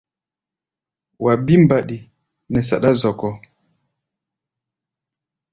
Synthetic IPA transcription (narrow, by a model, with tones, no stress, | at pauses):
wa˨bi˦mba˨ɗi˨ | nɛ˨sa̰˨ɗa˦zɔ˨kɔ˦